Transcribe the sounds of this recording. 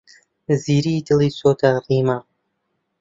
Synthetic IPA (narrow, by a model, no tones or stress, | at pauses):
ziːɾid̪ɨliːsoːt̪ʰariːma